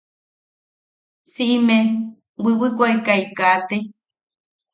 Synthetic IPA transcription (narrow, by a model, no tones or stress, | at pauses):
siʔimẽ | wiwɨkʷaekaikat̪e